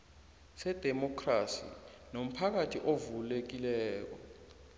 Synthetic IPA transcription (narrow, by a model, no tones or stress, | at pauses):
sɛd̥ʱɛmɔkʰrasḭ | nom̩pʰak̬atʰiʔovulek̬ilɛːk̬ɔ